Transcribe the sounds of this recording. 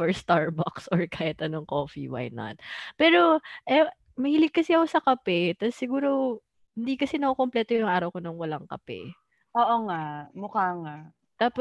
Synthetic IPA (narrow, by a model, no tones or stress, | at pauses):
fɛɹst̪aɹbaksɔɹkaːhɪt̪ʔɐnoŋkoːfḭwa̰jnɐ̰t̪̚pɛːɾo̞ʔɛ | mɐhiːlɪɡ̚kːɐsɛɐkosɐkɐpɛt̪ɐsːɪɡuːɾo | hɪnd̪iːkɐsɛnɐkokomplɛːt̪ojʊŋʔaːɾɐwkonoŋwɐlaŋkɐpɛ̰ | ʔoːʔoŋamʊkaŋa | t̪aːpo